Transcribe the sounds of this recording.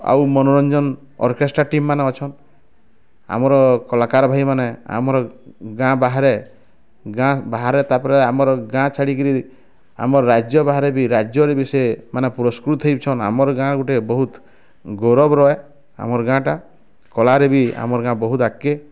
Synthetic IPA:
a̰wmɔnoɾɔnd͡ʒɔn | ɔ̰ɾkesʈɾaʈimːaneɔt͡ʃʰɔn | a̰mɔɾɔkɔlakaɾɔbʱajmanea̰mɔɾɔɡãbaɦaɾe | ɡãbaɦaɾet̪apɔɾeamɔɾɔɡãt͡ʃʰaɽikɔɾi | a̰mɔɾɔɾad͡ʒjɔbaɦaɾebiɾad͡ʒjɔɾebisemanepuɾɔskɾut̪ɦɔjpt͡ʃʰɔna̰mɔɾɔɡãɡuʈebɔɦut̪ | ɡɔɾɔbɾɔe | a̰mɔɾɔɡãʈa | kɔlaɾebia̰mɔɾɔɡãbɔɦut̪akːe

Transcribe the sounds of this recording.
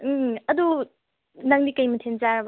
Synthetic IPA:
ɐdu | nɐŋnikɐjmɐtʰenzaɾɐb

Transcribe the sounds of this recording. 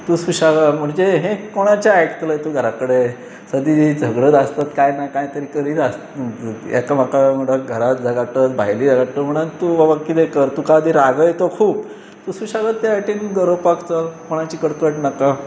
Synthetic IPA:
t̪uːsuɕaɡam̤əɳd͡zeɦekoɽ̃at͡ɕaaeʈt̪ləjt̪uɡʱəɾakəɽe | səd̪id͡zʱəɡɽət̪ast̪at̪kajnakajt̪əɾikəɾiːt̪as | a̰kam̤akam̤əɽaɡʱəɾat̪̚d͡zaɡaʈ̪ət̪̚bʱa̰jlid͡zaɡaʈəm̤əɽ̃ənt̪uʋabakit̪ekəɾt̪ukad̪iɾaɡəjt̪okʰuːp̚ | t̪usuɕaɡat̪ːaaʈinɡəɾəpakt͡salkoɽ̃at͡ɕiːkəɽkəʈnaka

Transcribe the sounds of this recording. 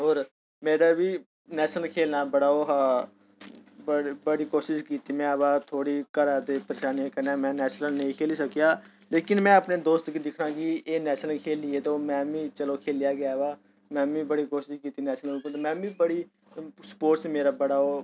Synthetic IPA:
ɦoːɾ | meːɾaːbiː | nɛːʃnəlkʰeːlnaːbəɽaːoːɦa | bəbəɽiːkoːʃɪskiːt̪iːmɛ̃ːbaːt̪ʰoːɽiːkəɾaːd̪eːpəɾeːʃaːnijakənaːmɛ̃ːnɛːʃnəlnəĩːkʰeːliːsəkijaː | leːkɪnmɛ̃ːəpneːd̪oːst̪kid̪ɪkʰɾãːkieːnɛːʃnəlkʰeːlieːt̪oːmɛ̃ːbĩːt͡ʃəloːkʰeːlɪjaːɡjaːʋaː | mɛ̃ːbĩːbəɽiːkoːʃɪʃkiːt̪iːnɛːʃnəlʊpt̪ːmɛ̃ːbĩːbəɽiː | sə̥poːʈsmeːɾaːbəɽaːoː

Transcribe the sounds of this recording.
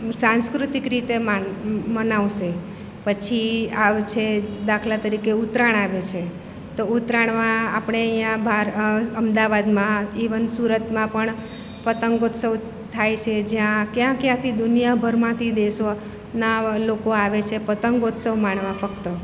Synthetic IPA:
sãnskɾut̪ikɾit̪emamənaʋʃe | pət͡ʃʰiat͡ʃʰed̪akʰlat̪əɾikeut̪ɾaɳ̃aʋet͡ʃʰe | t̪out̪ɾaɳmãapɳ̃eəjjãbʱaɾəmd̪aʋad̪mãiʋənsuɾət̪mãpəɳ | pət̪əŋɡot̪səʋ | t̪ʰajt͡ʃʰed͡ʒjãkjãkjãt̪ʰid̪ʊnijabʱəɾmãt̪ʰid̪eʃo | nalokoaʋet͡ʃʰepət̪əŋɡot̪səʋmaɳʋãfəkt̪ə

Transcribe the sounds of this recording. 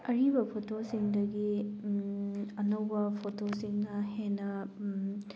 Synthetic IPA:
ɐɾibɐpʰotosiŋdɐɡi | ɐnɐwbɐpʰotʰosiŋnɐhenɐ

